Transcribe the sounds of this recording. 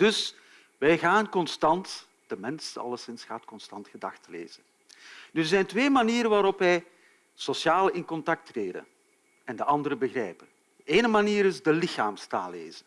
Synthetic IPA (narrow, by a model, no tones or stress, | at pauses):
d̥ɵs | ʋɛjɣaːnkɔnstɑnt | d̥əmɛnsɑ̰lˠəsɪnsxaːtkɔnstɑntxədɑxtəlḛːz̥ən | dzɛjntʋeːmaniːɾənʋaːɾɔpʋɛj | sosjaːlɪnkɔntɑk̚treːdə̰n | ɛndəʔɑndəɾəbəɣrɛːjpən | d̥əeːnəmaniːɾɪzdəlɪxaːmsta̰ːlḛːz̥ən